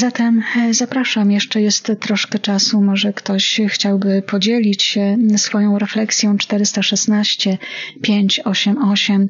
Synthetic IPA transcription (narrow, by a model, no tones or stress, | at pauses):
zat̪ɛmzapɾaʂamjɛʂt͡ʂɛjɛst̪ːɾɔʂkɛt͡ʂasumɔʐɛkt̪ɔɕxt͡ɕawbɘpʰɔd͡ʑelʲit͡ɕsfɔjɔ̃w̃ɾɛflɛksʲjɔ̃w̃t͡ʂt̪ɛɾɘst̪aʂɛsnaɕt͡ɕɛpʲjeɲt͡ɕɔɕɛmɔɕɛm